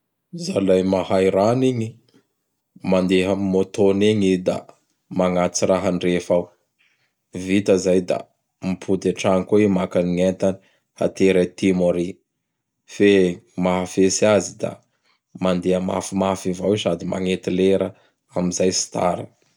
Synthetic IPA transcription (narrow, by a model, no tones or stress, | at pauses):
zalajmahajɾaniɲi | mand̪eɦamimot̪oniɲid̪a̰ | maŋat͡siɾaɦanrefaw | vit̪əzajd̪a̰ | mipʰud̪eʈ͡ʂaŋkuimakaniŋent̪ani̥ | ha̰t̪eɾat̪imoɾi | femaɦafesiazid̪a̰ | mand̪eəma̰fimafivawisad̪ima̰ŋet̪ileɾə | amizajsi̥t̪ʰa̰ɾə